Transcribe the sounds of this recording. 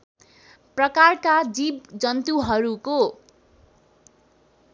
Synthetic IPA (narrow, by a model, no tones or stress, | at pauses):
prʌkarkad͡zibd͡zʌnt̪uɦʌɾuko